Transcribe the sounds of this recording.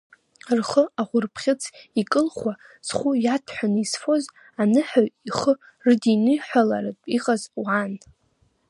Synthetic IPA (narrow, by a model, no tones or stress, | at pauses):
rχəaχʷʊrpʰχʲɪt͡sʰikʼɨlχʷwa | z̥χʷujatʰħʷᶣanɨisfo̞z | anɨħaɥiχə | rdinɨħʷᶣalaɾɨtʼiqʼazwan